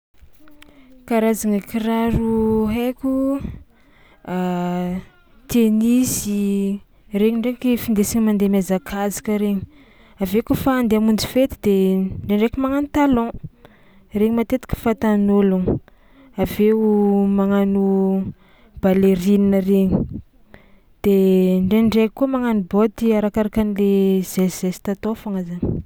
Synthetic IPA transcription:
kaɾazaŋakiɾaɾuɦekʲu | a | t̪eniz̥i | reɲiɳɖ͡ʐeŋikifind̪esiɲimand̪emazakʰazi̥kəɾeɲi̥ | avekufaːnd̪eamund͡zi̥fet̪id̪eɳɖ͡ʐeɳɖ͡ʐekumaŋanut̪alɔ̃ | reɲimat̪et̪i̥kʲə̥fat̪anoluŋə | aveumaŋanu | b̥aleɾininəreɲi | d̪̥eɳɖ͡ʐeɳɖ͡ʐekkːumaŋanubot̪iaɾakaɾakanilez̥ez̥esi̥t̪at̪ofaŋazani

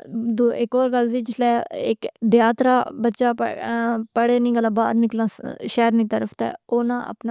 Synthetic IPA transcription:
d̪oːɪkoːɾɡəlziːd͡ʒɪslɛːɪkd̪jaːt̪ɾaːbətːʃaːppəɽeːnĩːɡəlãːbaːɾnɪklãːʃɛːɾnĩːt̪əɾəfʰt̪ɛ̰ːoːnã̰ːʔə̰pnaː

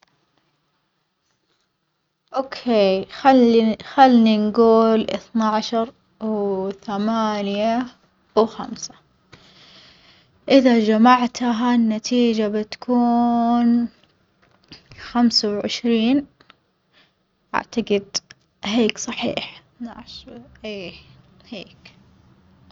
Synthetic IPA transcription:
ʔoːkʰeːxalːixalninɡuːlʔɪ̰θnaʕaʃɑɾˤ | wθamaːnja | wxa̰msḁ | ʔɪðad͡ʒamaʕt̪ɦanːat̪ʰiːd͡ʒabɪt̪ḁkʰuːn | xamsawʕɪ̰ʃɾiːn | ʔa̰ʕt̪aɡɪd̪ | ɦeːksˤɑħḭːħɪθnaʕaʃʔeː | heːk

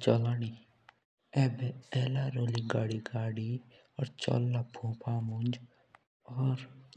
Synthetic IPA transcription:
t͡ʃɔlaːniː | ɛːbɛɛːlaːɾoːliɡaːɽiːɡaːɽi | ɔːɾt͡ʃɔ̰ːlːaːpʰũːpʰaːmʊnd͡ʒ | ɔːɾ

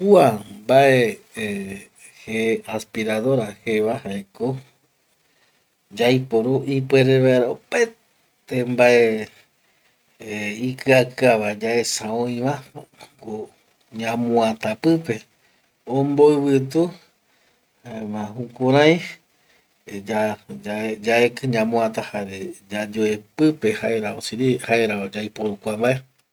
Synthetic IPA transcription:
kuambaʔe | heaspiɾaðo̞ɾaheʋahaeko | d͡ʒajpoɾuʔipweɾeβaeɾaope | t̪embaʔe | ikɨakɨaʋad͡ʒaesãõĩʋãko | ɲãmũãt̪apɨpe̞ | õmboɨβɨt̪̬u | haemãhukuɾ̃ãj̃ | d͡ʒaaed͡ʒaekɨɲãmũãt̪ahaɾed͡ʒad͡ʒoepɨpe̞haeɾaosiɾihaeɾaod͡ʒajpoɾukʷambaʔe

